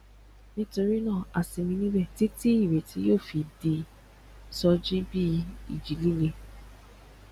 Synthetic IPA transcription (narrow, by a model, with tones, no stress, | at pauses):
nĩ˦to˧ɾi˦nã˦˨a˨si˧mĩ˧nĩ˦bɛ˦˨ti˦ti˦i˦˨ɾe˨ti˧˦joː˦˨fi˧di˧ | sɔ˧d͡ʒi˦bi˦ḭ˨d͡ʒi˨li˦le˦˨